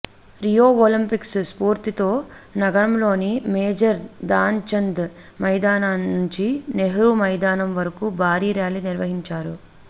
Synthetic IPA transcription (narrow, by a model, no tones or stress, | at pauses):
ɾijoːolimpiksspuːɾt̪it̪o̞ː | nɐɡɐɾɐmlo̞ːnimeːd͡ʒɐɾd̪aːɲt͡ʃɐnd̪ | mɐjd̪aːnaːnːuɲt͡ʃineɦɐɾumɐjd̪aːnɐmʋɐɾɐkubʱaːɾiːɾjaːliniɾʋɐɦiɲt͡ʃaːɾu